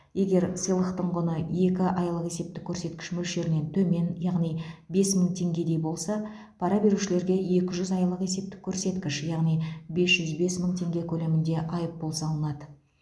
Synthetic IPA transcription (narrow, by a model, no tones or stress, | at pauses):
je̞ɡʲe̞ɾsəjlˠəqt̪əɴʁʊnəje̞kʲɪʔɑjlˠəqe̞se̞p̚t̪ɪkʲʰːɵɾse̞t̪̚kʲɪ̥ʃmʏlʃe̞ɾɪne̞nt̪ʰɵme̞njɑʁnijbe̞sməɴt̪ʰe̞ŋɡʲe̞d̪e̞jbo̞lˠsɑ | pʰɑɾɑbe̞ɾuʃɪle̞ɾɡʲe̞je̞kʲɪʒʏzɑjlˠəqe̞se̞p̚t̪ɪ̥kʲʰːɵɾse̞t̪kʲɪʃjɑʁnijbe̞sʒ̥ʏzbe̞sməɴt̪ʰe̞ŋɡʲe̞kʲʰɵle̞mɪnd̪e̞ʔɑjəp̚bo̞lˠsɑlˠənɑd̪ə